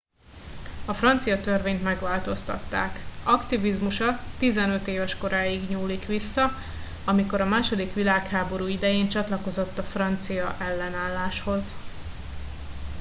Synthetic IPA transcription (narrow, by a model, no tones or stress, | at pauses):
ɒfrɒnt̪sijɒt̪ørveːɲt̪mɛɡʋaːlt̪o̞st̪ɒ̰t̪ːa̰ːkɒkt̪ivizmuʃɒt̪izɛnø̞t̪eːvɛʃko̞ɾaːiɡɲuːlikʋisːɒ | ɒmiko̞ɾɒmaːʃo̞d̪ikʋilaːkhaːbo̞ɾuːid̪ɛjeːnt͡ʃɒt̪lɒko̞zo̞t̪ːɒfrɒnt̪sijɒʔɛlːɛnaːlːaːʃho̞z